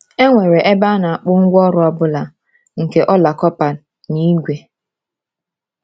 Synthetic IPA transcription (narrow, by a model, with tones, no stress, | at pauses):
e˦ŋʷe˨ɾe˨ʔe˦ba˦na˨a˨k͡pʊ˦ŋ̩˦ɡʷɔ˦ɾʊ˦ɔ˦bʊ˦la˨ | ŋ̩˨ke˨ʔɔ˦la˨kɔ˦pa˨ | ni˦ɡʷe˨